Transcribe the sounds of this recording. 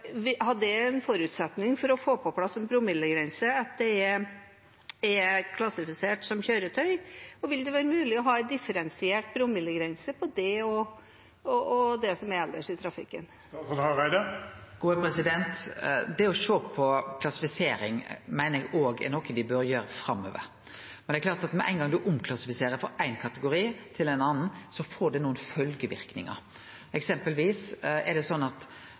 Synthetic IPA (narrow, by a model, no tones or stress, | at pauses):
hɑɖɛɛnfɔɾʉːt̪sɛt̪nɪŋfɔɾɔfoːpʰɔpʰlɑsːɔmbɾʊmɪlːəɡɾɛnsəɑt̪̚d̪ɛɛɾ | ɛkʰlɑsɪfɪseːʈsɔmçøːɾət̪ʰœʏɔʋɪld̪ɛʋæːɾəmʉːlɪɔɦɑːɛd̪ɪfəɾɛnsɪeːʈ̚bɾʊmːɪlːəɡɾɛnsəpʰɔd̪ɛɔ | ɔʔɔd̪ɛsɔmæɾɛld̪əʂɪt̪ʰɾɑfɪ̰kːən | sɔɑʁæɪd̪ɑɡ̥uːəpɾɛsɪd̪ɛnt̪d̪ɛɔʂoːpʰɔkʰlɑsɪfɪseːɾɪŋmæɪnəɾɛɡoːɡɛ̰nɔkːəʋɪbøɾjøːɾəfɾɑmːø̰ːʋə̰ɾ | mɛnɛklɑːɾt̪ɑt̪mɛʔæ̰ɪnɡɑŋd̪ʉʔʊmkʰlɑsɪfɪseːɾəɾfɔɾæɪnkʰɑt̪əɡʊɾiːt̪ʰɪlæɪnɑnn̩sɔfɔːɖɛnuːənfœlɡəʋɪ̰ɾknɪ̰ŋɑ̰ɾ | ɛksɛmpəlʋiːsɛɖɛsɔnːɑt̪